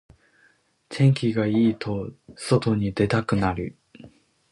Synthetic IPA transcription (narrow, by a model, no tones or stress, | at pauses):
t̪ʰẽ̞ŋkʲiɡaiːt̪ʰo̞so̞t̪o̞ɲ̟id̪e̞t̪akɯ̟naɾɯ̟